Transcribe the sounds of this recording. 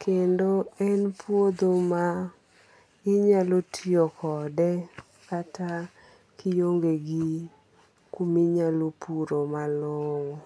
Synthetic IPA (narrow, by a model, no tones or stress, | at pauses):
kʰendoɛnpʰwod̪oma | ɪɲalotʰiɔkɔdɛ | kata | kijoŋɡeɡi | kumiɲalopuɾomalɔŋɔ